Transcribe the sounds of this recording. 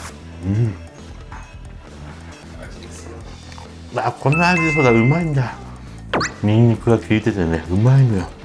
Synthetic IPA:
ɯ̃ | βakʰo̞nohad͡ʑis̬od̪aɯ̟maĩnd̪a | ɲʲĩnːikɯɡakʲʰiit̪e̞t̪e̞ne̞ɯ̟mainojo

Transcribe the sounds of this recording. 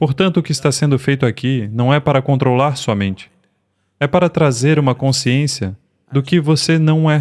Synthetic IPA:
poɾt̪ɐ̃nt̪ʊkɪst̪asẽnd̪ʊfejt̪ʊakinɐ̃w̃ɛpaɾɐkõnt̪ɾolaɾsɔmẽnt͡ʃɪ̥ | ɛpaɾɐt̪ɾazeɾũmɐkõsiẽsjɐ | d̪ʊkɪvosenɐ̃w̃ɛ

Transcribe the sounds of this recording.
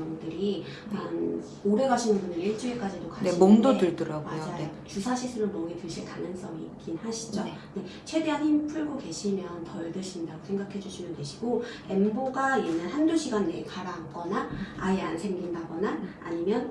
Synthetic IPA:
ʌŋdɯɾi | an | oɾe̞ɡaɕʰinɯnbunɯniɭt͡ɕ͈ɯek͈ad͡ʑidokanmomdodɯɭdɯɾamad͡ʑajot͡ɕusʰaɕʰis͈ɯɾɯɭmʌɡetɯɭɕʰiɭkanɯns͈ʌŋḭːk͈inhaɕʰi̥d͡ʑo | ne̞t͡ɕʰwe̞de̞ɦaninpʰuɭɡoke̞ɕʰimjʌntʌɭdɯɕʰindaɡosʰe̞ŋɡakʰe̞d͡ʑuɕʰimjʌntweɕʰi̥ɡ̥o | e̞mboɡaje̞nːaɭhanduɕʰiɡanːe̞̰kʰaɾaŋk͈ʌnaaeansʰe̞ŋɡindaɡʌna̰ːɲimjʌn

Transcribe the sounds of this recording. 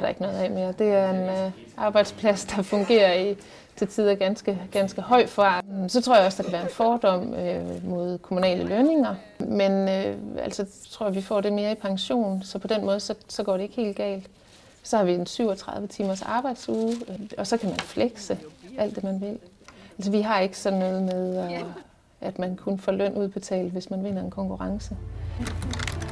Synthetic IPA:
ɐɾ̥ɑ̈e̝ɡ̥ənɔ̽ːðˠɛme̝ːɐd̥e̝æɐe̝n | ɑ̈ːb̥ɑ̈ɪd̥spʰlæsd̥ɑ̈fɔ̽ŋɡ̥e̝̰ːɐi | t͡sʰe̝t͡sʰiðˠɐɡ̥ænsɡ̥əɡ̥ænsɡ̥əɦɒ̽ɪ̰d̥fɑsɒ̽t͡sʰʁo̝ɐ̰jɒ̽sd̥ɑ̈kʰæʋæːɐe̝nfɒːd̥ɒ̽m̰ømo̝ð̞̰ˠkʰo̝munɛ̰ːləløne̝ŋɐ | menøæ̰l̰sɒt͡sʰʁo̝ɐ̰ɐʋifɒ̰ːɾe̝me̝ːɐipʰɑ̈ŋɕo̝̰ːn̩sɒ̽pʰɒ̽d̥enmɔ̽ːð̞̩ˠsɒ̽sɒ̽ɡ̥ɒ̰ːɾee̝ɡ̥he̝̰ːld̥ɡ̥ɛ̰ːld̥ | sɒ̽hɑ̈ʋiensyʊɒt͡sʰʁɑ̈ðˠʋət͡sʰiːmɐsɑ̈ːb̥ɑ̈ɪ̰d̥suːðɒ̽sɒ̽kʰæmænfleɡ̥səæl̰d̥ːe̝mænʋe̝l | æls̬ɒʋiɦɑ̈e̝ɡ̥ə̥sɒ̽nːɔ̽ːð̞̩ˠmeð̞ˠɒ | ʔæd̥mænkʰunəfɒløn̰ʔuð̰ˠpʰɒt͡sʰɛ̰ːl̩ʋe̝smænʋe̝n̰ɐe̝nkʰɒ̽ŋkʰuʁɑ̈ŋsə

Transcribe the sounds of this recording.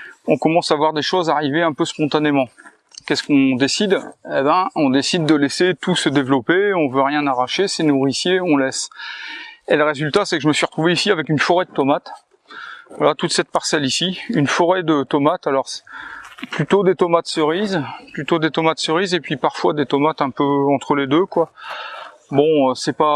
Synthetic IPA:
ɔ̃kɔmɑ̃savwaʁd̪eʃozaʁiveɛ̃pøspɔ̃t̪anemɑ̃ | kʲɛskɔ̃d̪esid̪ebɛ̃ɔ̃d̪esid̪ːəleset̪usəd̪evlɔpeɔ̃vøʁjɛ̃naʁaʃesenuʁisjeɔ̃lɛs | eləʁezylt̪asɛkəʒəməsɥiʁət̪χuveisiavɛkynfɔʁɛd̪ət̪ɔmat̪ | vwalat̪ut̪sɛt̪̚paʁsɛlisiynfɔʁɛd̪ət̪ɔmat̪alɔʁs | plyt̪od̪et̪ɔmat̪səʁizplyt̪od̪et̪ɔmat̪səʁizepɥipaʁfwad̪et̪ɔmat̪ɛ̃pøɑ̃t̪χəled̪økwa | bɔ̃øsɛpa

